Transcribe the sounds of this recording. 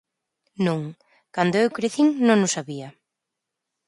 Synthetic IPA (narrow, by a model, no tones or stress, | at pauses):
nũŋ | kand̪oewkɾeθiŋnõŋnʊsaβiɐ